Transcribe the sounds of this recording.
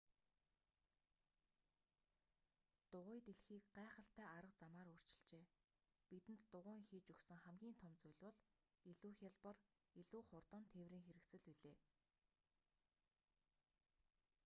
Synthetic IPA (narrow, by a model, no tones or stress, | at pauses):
t̪ʊʁʊːjt̪eɮxiːkɢæːχə̆ɬt̪æːaɾə̆q̚t͡samaːɾʊr̥t͡ɕɪ̥̆ɬt͡ɕeː | pit̪ɘ̆n̥t̪ːʊʁʊːŋxiːt͡ɕuksɘ̆ŋχæmɡʲiːnt̪ʰɔmt͡sʊjɮʲwʊ̆ɮ | iɮuːxʲaɮpə̆r | iɮuːχʊrt̪ɞ̆nt̪ʰewriːŋxeɾɘ̆ksɘ̆ɮpiɮeː